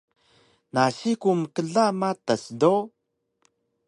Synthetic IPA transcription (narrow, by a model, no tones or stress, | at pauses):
naɕikuməkəɮamatasdo